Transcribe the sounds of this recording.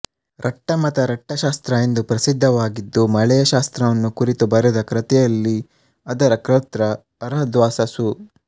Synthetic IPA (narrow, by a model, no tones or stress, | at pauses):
ɾʔɐʈːɐmɐt̪ɐɾɐʈːɐʃaːst̪ɾɐend̪upɾɐsid̪ʱːɐʋaːɡid̪ːumɐɭɛjɐʃaːst̪ɾɐʋɐnːukuɾit̪ubɐɾud̪ɐkɾɐt̪ɛjɐlːi | ɐd̪ɐɾɐkɾɐt̪ɾɐː | ɾɐɦɐd̪ʋaːsɐsu